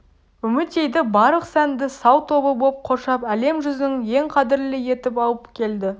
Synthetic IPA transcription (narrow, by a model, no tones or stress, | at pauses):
ʏmɪt̪e̞jd̪ɪbɑɾəqsænd̪ɪsɑwt̪ʰo̞bəbop̚qʰo̞ʃɑpæle̞mʒʏznɪŋje̞ŋqʰɑd̪ɪɾlɪje̞t̪ɪpɑlˠəpkʲʰe̞ld̪ɪ